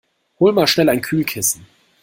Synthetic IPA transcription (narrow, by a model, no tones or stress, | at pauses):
hoːlmaːlʃnɛlaɪnkʰyːlkʰɪsn̩